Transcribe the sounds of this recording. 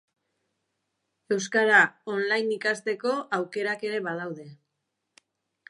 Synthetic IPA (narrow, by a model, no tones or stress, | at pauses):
e̞wskaɾaonlajnikast̪e̞ko̞awke̞ɾake̞ɾe̞βað̞awðe̞